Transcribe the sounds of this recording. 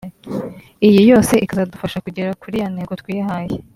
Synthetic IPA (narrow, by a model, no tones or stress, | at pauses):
ijijo̞ːse̞ʔikazadufaʃakuɟe̞ɾakuɾijaneɡotkwiːjahaːje